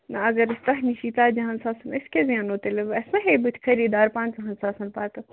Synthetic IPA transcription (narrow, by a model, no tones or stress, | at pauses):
nɐɐɡɐɾɨst̪ɐɦniʃiːt̪aːd͡ʒɐɦɐnsaːsɐnɐskʲezjãːnoːt̪eleʋɐsnɐɦeːbɨt̪ʰʲkʰɐɾiːd̪aːɾpãːnzɐɦɐnsaːsɐnpaːt̪ɐ